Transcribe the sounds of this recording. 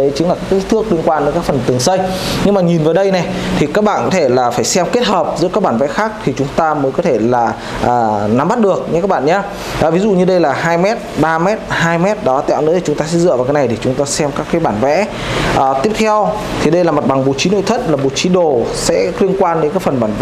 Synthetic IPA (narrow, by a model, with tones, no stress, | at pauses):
ə˨˦t͡ɕɨ˨˦ŋlaː˨˩kaː˦˥ki˦˥t̪ʰɨ˦˥ək̚li˧ənkwaː˧nɗe˨˦nkaː˦˥k̚fə˨˩nt̪ɨ˨˩əŋsə˧jɲɨ˧ŋmaː˨˩ɲi˨˩nvəː˨˩˦jɗə˧jnɛ˨˩t̪ʰi˨˩kaː˦˥k̚ɓa̰ː˧˨nkɔ˨˦t̪ʰe˧˩laː˨˩faː˧˩jsɛ˧mke˦˥t̚həː˨˩p̚zɨ̰˧˥kaː˦˥k̚ɓaː˧˩nvɛ̰˧˥xaː˦˥k̚t̪ʰi˨˩t͡ɕʊ˨˦ŋ͡mt̪aː˧məː˨˦jkɔ˨˦t̪ʰe˧˩laː˨˩ | ʔəː˨˩na˨˦mɓa˦˥t̚ɗɨ˨˩ək̚ɲ̰˧˥kaː˦˥k̚ɓa̰ː˧˨nɲaː˧ | ʔːvi˨˦zṵ˧˨ɲɨ˧ɗə˧jlaː˨˩ɦaː˧jmɛ˦˥t̚ɓaː˧mɛ˦˥t̚haː˧jmɛ˦˥t̚ɗɔ˨˦˧t̪ɛ̰˧˨wnɨ̰˧˥t̪ʰi˨˩ʊ˨˦ŋ͡mt̪aː˧sɛ̰˧˥zɨ̰˧˨vaː˨˩kaː˨˦n˨˩jt̪ʰi˨˩t͡ɕʊ˨˦ŋ͡mt̪aː˧sɛ˧mkaː˦˥kːaː˨˦jɓaː˧˩nvɛ̰˧˥ | ʔəː˨˩t̪i˦˥əp̚t̪ʰɛ˧w | t̪ʰi˨˩ɗə˧jlaː˨˩mə˨˩t̚ɓa˨˩ŋɓo̰˧˨t͡ɕi˨˦no̰˧˨jt̪ʰə˦˥t̚laː˨˩ɓo̰˧˩˨t͡ɕi˨˦ɗo˨˩sɛ̰˧˥li˧ənkwaː˧nɗe˨˦kaː˦˥k̚fə˨˩nɓaː˧˩nv̰